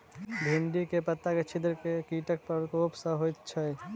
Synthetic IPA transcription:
bʱiɳɖikepət̪ːaket͡ʃʰid̪ɾkekiːʈək̚pəɾkoːpsə̃ɦojt̪t͡ʃʰɛ

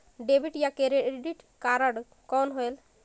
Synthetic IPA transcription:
ɖebʱiʈjakeɾeɖiʈkaɾaɽ | kɔnɦoel

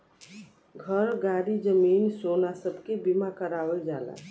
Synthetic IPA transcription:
ɡʱəɾɡaɽid͡ʒəminsonasəbʱkebimakəɾaʋəld͡ʒala̰

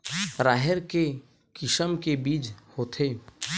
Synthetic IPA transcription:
ɾaːɦɛɾke | kɪʃəmkebiːd͡ʒhoːt̪ʰeː

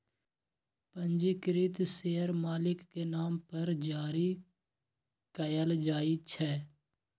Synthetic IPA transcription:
pə̃nd͡ʒikɾɪt̪seːəɾmaːlɪkkenaːmpəɾd͡ʒaːɾi | kəjəld͡ʒaːit͡ʃʰɛː

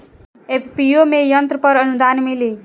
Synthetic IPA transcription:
eppijomejʌnt̪ɾəpʌɾʌnud̪anmili

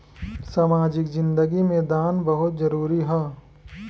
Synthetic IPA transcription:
saːmaːd͡ʒɪkzɪ̃nd̪əɡimẽd̪aːnbɐɦʊt̪zɐɾuːɾiɦɛː

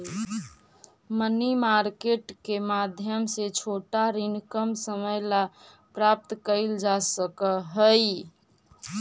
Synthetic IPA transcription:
mənimaɾkeʈkemad̪ʱjəmset͡ʃʰoʈaɾinkəmsəməjla | pɾap̚t̪kəɪld͡ʒasəkəɦəj

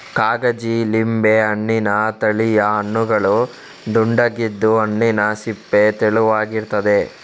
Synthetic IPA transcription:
kaːɡɐd͡ʒilimbeɐɳːinɐt̪ɐɭijɐɐnːuɡɐɭu | ɖuɳɖɐɡid̪ːuɐɳːinɐsipːet̪eɭuʋaːɡiɾt̪ɐd̪e̞

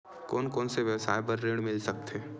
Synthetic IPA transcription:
kɔːnkɔːnseʋɛːsaːjbəɾːeːɽ̃mɪlsɐk̚t̪ʰeː

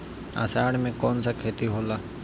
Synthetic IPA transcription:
a̰saːɽmẽːkoːnsakʰeːt̪iɦoːlaː

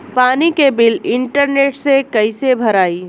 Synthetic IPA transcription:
paːnikebɪlɪɳʈəɾneːʈsekəɪsebʱəɾaːi

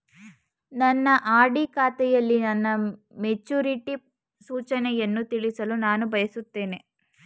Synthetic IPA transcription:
nɐnːɐʔaːɖikaːt̪ɛjɐlːinɐnːɐ | met͡ʃːuːɾiʈi | suːt͡ʃɐnɛjenːut̪iɭisɐlunaːnubʱɐjɐsut̪ːe̞ːne̞

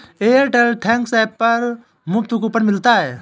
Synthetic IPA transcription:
eəɾʈelʈʰɛ̃ŋksaːpːɐɾ | mʊb̚t̪ukupənmɪlt̪aɦɛː

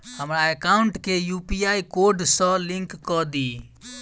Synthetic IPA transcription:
həmɾaekaʊɳʈkejupijaikoɾɖsə̃lɪ̃ŋkːɔd̪i

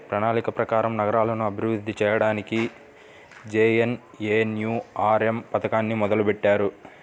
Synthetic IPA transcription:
pɾɐnaːlikɐpɾɐkaːɾɐmnɐɡɐɾaːlɐnuɐbʱiɾud̪ʱːit͡ʃɛːjɐɽaːniki | d͡ʒeːjen | eːnjuːaːɾempɐt̪ɐkaːnːimɔd̪ɐlupɛʈːaːɾu

